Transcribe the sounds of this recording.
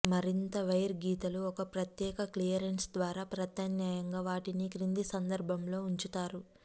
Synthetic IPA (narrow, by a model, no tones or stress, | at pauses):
mɐɾint̪ɐʋɐjɐɾɡiːt̪ɐluɔkɐpɾɐt̪jɛːkɐklijɐɾensd̪ʋaːɾaːpɾɐt̪ɐnjaːjɐŋɡaːʋaːʈinikɾind̪isɐnd̪ɐɾbʱɐmlo̞ːuɲt͡ʃut̪aːɾu